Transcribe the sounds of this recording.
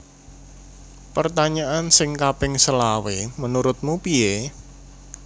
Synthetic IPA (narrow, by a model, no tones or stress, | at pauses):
pərt̪aɲaʔansɪŋkapɪŋsəlawemənuɾʊt̪̚mupie